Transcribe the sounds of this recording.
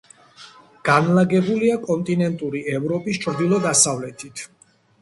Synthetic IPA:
ɡ̥anlaɡɛbuliakʼɔnt̪ʼinɛnt̪ʼuɾiɛvɾɔpʼist͡ʃʰʼɾd̪ilˠɔd̪asavlɛt̪ʰit̪ʰ

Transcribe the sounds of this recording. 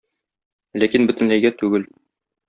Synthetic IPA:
lækinbɵ̆t̪ɘ̆nlæjɡæt̪ʉɡɘl

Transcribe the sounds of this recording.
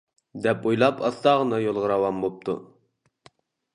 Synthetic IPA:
d̪ɛpujlˠɑpʰɑst̪ɑʁənɑjolˠʁəɾɑwɑmbop̚t̪ʰṵ

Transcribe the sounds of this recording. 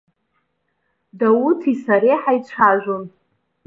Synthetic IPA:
dawutʰisaɾeħajt͡ɕʷʰaʒᶣʷon

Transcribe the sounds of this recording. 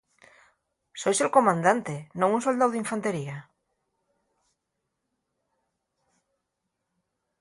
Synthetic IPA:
sojselkomãnd̪ant̪enõŋunsold̪awðiɱfãnt̪eɾia

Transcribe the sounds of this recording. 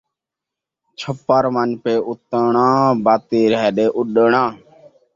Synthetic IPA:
t͡ʃʰəpːəɾmənpeːʔʊt̪əɳãːbaːt̪iːɾɦɛɗeːʔʊɗəɳãː

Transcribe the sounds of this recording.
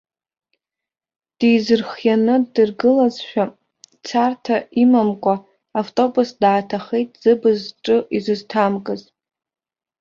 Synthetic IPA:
d̥ijzɨrχjanɨdɨrɡɨlazʃᶣa | t͡sʰartʰaimamkʷʼaː | ftʼo̞busdaːtʰaχejtʼz̥ɨbɨzʈ͡ʂʼɨʔizɨztʰamkʼɨz

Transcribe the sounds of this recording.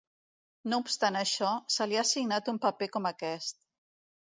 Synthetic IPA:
noupst̪anəʃɔsəliasiɡnat̪umpəpekɔməkɛst̪̚

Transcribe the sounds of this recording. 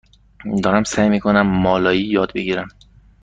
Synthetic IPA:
d̪ɒːɾæmsæjmiːkʰonæmːɒlɒːjijɒːd̪̚beɡiɾæm

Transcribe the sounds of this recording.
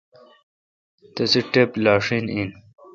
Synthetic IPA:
t̪ɐsiʈeplɑːʂinin

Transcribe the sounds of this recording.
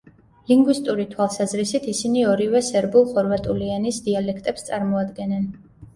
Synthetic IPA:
liŋɡwist̪ʼuɾit̪ʰwalˠsazɾisit̪ʰisiniɔɾivɛsɛɾbulˠχɔɾvat̪ʼulianisd̪ialɛkʰt̪ʼɛpst̪sʼaɾmɔad̪ɡɛnɛn

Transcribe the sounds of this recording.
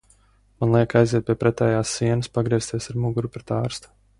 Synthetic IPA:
manlˠiɛkajziɛt̪̚pʲiɛpɾɛt̪ɛːjaːsːiɛnaspaɡɾiɛst̪iɛsaɾmuɡuɾupɾet̪aːɾst̪u̥

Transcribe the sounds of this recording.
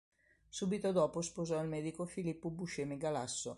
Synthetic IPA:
suːbit̪od̪ɔːpospozɔilmɛːd̪ikofilipːobuʃemiɡalasːo

